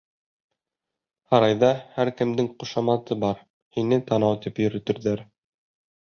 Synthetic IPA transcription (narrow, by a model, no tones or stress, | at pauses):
hɑɾɑjðɑhæɾkɘ̆md̪ɘŋqŭʃɑmɑt̪ɤbɑɾ | hinɘt̪ɑnɑwt̪ipjɵ̆ɾɵ̆t̪ɵ̆ɾðæɾ